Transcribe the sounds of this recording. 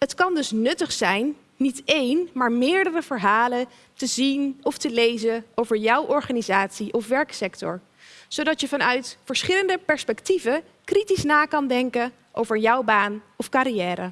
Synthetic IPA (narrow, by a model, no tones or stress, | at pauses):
ɦətkɑndɵsnɵtəχsɛjnː | itejnmaːɹmɪːɹdərəvəɹɦaːlə | təzinɔftəlejzəowvəɹjɔwʔɔɹχaːnizaːtsiʔɔfʋɛɹksɛktɔ̰ɹ | z̥owdɑtjəvɑnœɥtfəɹsχɪləndəpɛɹspɛktivə | kritisnaːkɑndɛŋkə | ʔowvəɹjʌwbaːnɔfkaːɾijɛːɾə